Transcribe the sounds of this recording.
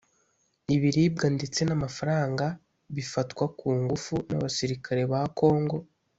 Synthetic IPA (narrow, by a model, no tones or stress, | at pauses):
iβiɾib̚ɡandet͡se̞namafaɾaːŋɡa | βifatkwakuːŋɡufuna̰βasiɾikʰaɾe̞βako̞ːŋɡo̞